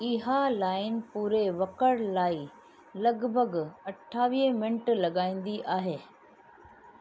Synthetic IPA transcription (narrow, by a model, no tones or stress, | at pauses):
ɪɦalaːɪnpuːɾeʋɐkəɽlaːi | lɐɡbʱəɡɐʈʰːaːʋiːmɪ̃nʈlɐɡaːĩːnd̪iʔaːɦeː